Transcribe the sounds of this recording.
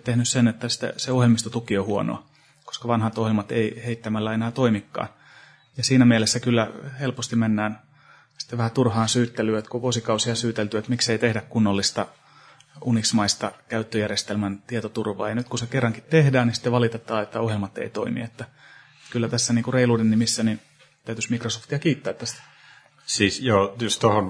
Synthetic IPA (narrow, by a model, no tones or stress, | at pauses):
t̪ehnyssenet̪ːæsi̥t̪ːḛseohjelmist̪ot̪ukiohuono̰ɑ | ko̥skɑʋɑnhɑt̪ohjelmɑt̪ḛiheit̪ːæmælːæenæːt̪oimikːɑ̰ːn | jɑsiːnæmielesːækylːæhelpost̪imenːæːn | si̥t̪ːeʋʋæhæt̪urhɑːnsyːt̪ːelyøt̪kuʋuosikɑusiɑsyːt̪elt̪yøˑt̪mikseit̪ehdækkunːolːist̪ɑ | uniksmɑist̪ɑkæyt̪ːøjærjest̪elmænt̪iet̪ot̪urʋɑ̰ːjɑnyt̪kusekerːɑŋkit̪t̪ehdæːnnisi̥t̪eʋɑlit̪et̪ːˑɑːet̪ːæohjelmɑt̪ːḛit̪oimḭet̪ːæ | ekylːæt̪æsːæniːŋkureiluːdennimisːæni | t̪æyt̪ysmikrosoft̪iɑkiːt̪ːæːt̪ːæst̪æ̥ | siːsjoːjust̪ohon